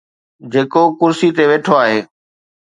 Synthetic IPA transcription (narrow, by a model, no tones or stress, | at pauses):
d͡ʑeːkokʊɾsit̪eʋeːʈʰoaːɦeː